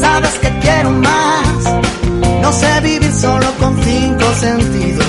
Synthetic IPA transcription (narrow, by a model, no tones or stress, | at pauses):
saβeskekjeɾomas | noseβiβiɾsolokonθiŋkosent̪iðos